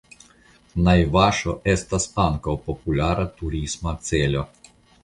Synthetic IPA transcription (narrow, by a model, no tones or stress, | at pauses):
najʋaʃɔʔɛst̪aspaŋkɐpɔpulʲaɾat̪uɾizmasɛlʲɔ